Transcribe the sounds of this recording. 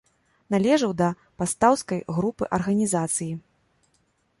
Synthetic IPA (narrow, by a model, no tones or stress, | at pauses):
nalʲɛʐɐwd̪ɐ | past̪awskɐjɣɾupɨ̰ʔɐrɣɐnʲizat̪sɨji